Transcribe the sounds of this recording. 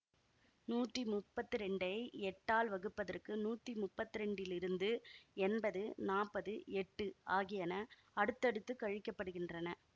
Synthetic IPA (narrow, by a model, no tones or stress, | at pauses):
nuːʈrimʊpːɐt̪ːɯɾɛɳɖɐɪɛʈːaːlʋɐɣɯpːɐðɐrkɯnuːʈːrimʊpːɐt̪ːɯɾɛɳɖɪlɪɾɯnd̪ɯɛnbɐðɯnaːpːɐðɯɛʈːɯaːɣɪjɐnɐ | ɐɽɯt̪ːɐɽɯt̪ːɯkɐɻɪkːɐpːɐɽɯɣɪndrɐnɐ